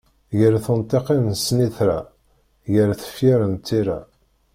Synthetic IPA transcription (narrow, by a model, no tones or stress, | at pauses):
jəɾθənt̪ˤːeqennsniθɾa | jəɾθə̥fjiɾənt̪ːiɾa̰